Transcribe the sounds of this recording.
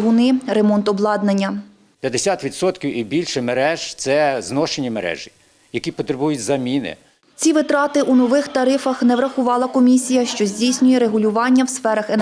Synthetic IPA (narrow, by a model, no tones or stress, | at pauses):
ɦʊnɪɾemɔnt̪ɔblˠɑd̪nɐnʲːɐ | pʲjɐd̪esʲat̪ʋʲid̪sɔt̪kʲiwibʲilʲʃɛmeɾɛʒ̥t̪sɛznɔʃenʲimeɾɛ̰ʒi | jɐkʲipɔt̪ɾebujʊtʲzɐmʲinɪ̰ | t͡sʲiʋɪt̪ɾɑt̪ɪʔunɔʋɪxt̪ɐɾɪfɐxnɛʋɾɐxʊʋɑlˠɐkɔmʲisʲijɐʃt͡ʃɔzʲdʲijsʲnʲʊjɛɾeɦʊlʲʊʋɑnʲːɐwsfɛɾɐxen